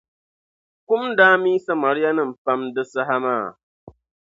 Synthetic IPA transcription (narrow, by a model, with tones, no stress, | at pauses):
ku˦mdaː˦miː˦sa˦ma˨ɾi˦ja˦nɨ˦˨m̩˨pa˦mdɨ˦sa˦ɦa˦maː˦˨